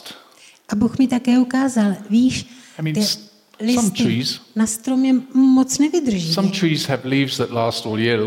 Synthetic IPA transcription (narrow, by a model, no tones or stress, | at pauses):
t | ʔabuːxmɪt̪akɛːukaːzalviːʃamĩt̪ɪ | lɪssmt̪ʰɪɹiːznast̪ɾomɲɛmot͡snɛvɪd̪r̩ʒisãmtʰɹ̥iːz̥həvliːvzðətlaːstɔːlˠjɪə